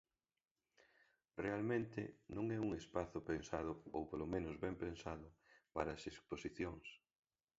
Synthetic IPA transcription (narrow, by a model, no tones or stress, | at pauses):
realmẽnt̪ɪ̰nõŋɛuŋespaθʊpensaðʊowpolomẽnʊzβɛmpensaðʊpaɾɐːsesposiθjoŋs